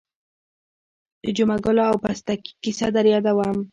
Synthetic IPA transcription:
d̪əd͡ʒʊmaɡʊlaawpast̪aki̥kisad̪aɾjɑd̪awam

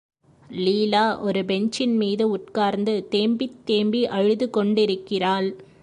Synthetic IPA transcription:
liːlaːʔɔɾɯbɛɲt͡ʃɪnmiːðɯʊʈkaːɾnd̪ɯt̪eːmbɪt̪ːeːmbiʔɐɻɯðɯkɔɳɖɪɾɯkːɪraːl

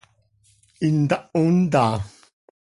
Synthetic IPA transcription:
in̩daʔun̩daː

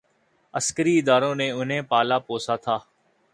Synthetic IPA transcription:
əskəɾiːɪd̪aːɾõːneːʊn̤ɦẽːpaːlaːpoːsaːt̪ʰaː

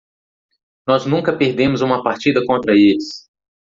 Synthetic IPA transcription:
nɔznũkɐpeɾd̪ẽmʊzũmɐpaɾt͡ʃid̪ɐkõnt̪ɾɐelɪs

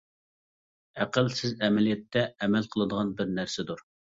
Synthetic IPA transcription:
æqəlsɪzɛmɛlijɛt̪ʰːɛːmɛlˠqʰəlˠɨd̪əʁɑnbɪɾnæɾsɪd̪uɾ

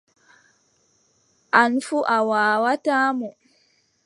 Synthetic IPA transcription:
ʔanfuʔawaːwataːmɔ

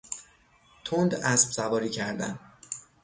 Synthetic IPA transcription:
t̪ʰond̪æsb̥sævɒːɾiːcʰæɾd̪æ̰n

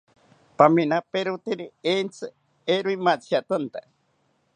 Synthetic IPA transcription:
paminapeɾut̪iɾient͡sɨ | eɾuimat͡siat̪ɨnt̪a

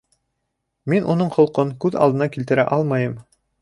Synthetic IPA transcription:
minʔunɤɴχŏlˠqɤŋkʉðɑlˠd̪ɤ̆nɑkilt̪ɘ̆ɾæ̰ʔɑlˠmɑjɤm

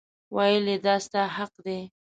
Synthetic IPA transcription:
wɑjəled̪ɑst̪ahaqd̪e

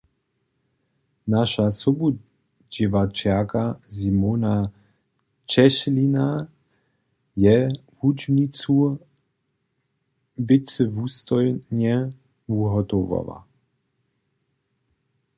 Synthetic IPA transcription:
naʃasɔbu | d͡ʑɪʋat͡ʃakazimona | t͡ʃɛʃlina | jɛhud͡ʒnit͡su | vɪt͡sɛvust̪ɔjɲɛ | uɦɔt̪ɔva̰ʋa̰

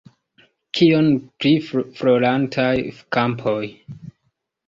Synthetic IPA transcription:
kʰionplifɾolantʰajkampʰoj

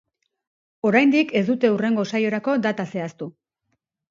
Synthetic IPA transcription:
o̞ɾajnd̪ike̞zd̪ut̪e̞ure̞ŋɡo̞sajo̞ɾako̞d̪at̪ase̞ast̪u

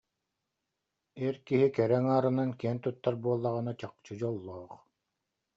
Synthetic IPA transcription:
iɾkiɦikɛɾɛŋaːɾɯnankiɛnt̪ut̪ːaɾbuɔlˠːaʁɯnat͡ɕaq̚t͡ɕɯd͡ʑɔlˠːɔːχ

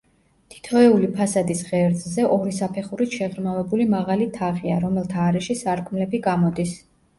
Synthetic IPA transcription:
t̪ʰi̥t̪ʰɔɛulipʰasad̪isʁɛɾzʰʼzɛʔɔɾisapʰɛχuɾit̪ʰʃɛʁɾmavɛbulimaʁalit̪ʰaʁia̰ɾɔmɛlˠt̪ʰaːɾɛʃisaɾkʰmlɛbiɡamɔd̪is

